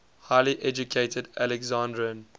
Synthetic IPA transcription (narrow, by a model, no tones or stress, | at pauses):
haɪliʔɛd͡ʒukʰeɪtʰədælɛɡzãndɹiə̃n